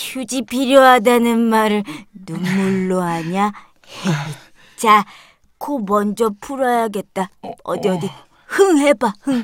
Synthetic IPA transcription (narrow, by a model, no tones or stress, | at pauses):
çud͡ʑipʰiɾjoɦadanɯnmaɾɯɭnumːuɭːoɦaɲa | hei | t͡ɕa | kʰomʌnd͡ʑʌpʰuɾʌjaɡe̞t̚t͈aʌ̰djʌdi | hɯŋɦebahɯŋ